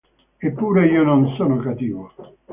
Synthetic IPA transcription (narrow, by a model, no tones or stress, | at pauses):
epːuːɾeiːononsoːnokat̪iːvo